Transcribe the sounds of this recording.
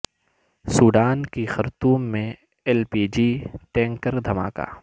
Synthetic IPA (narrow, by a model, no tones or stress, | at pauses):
suːɖaːnkixɐɾt̪uːmːẽ | ɛlpiːd͡ʒiːʈɛ̃ːŋkəɾd̪ʱɐma̰ːka̰ː